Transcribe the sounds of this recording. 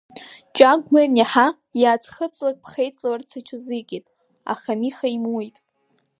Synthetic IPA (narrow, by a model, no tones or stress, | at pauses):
t͡ʃʼaɡʷmarnaħa | jaːt͡sʰχət͡sʼlak̚ʼpʰχejt͡sʼawart͡sʰat͡ʃʷʰɪzɨkʲʼitʼ | a̰χamiχaimujtʼ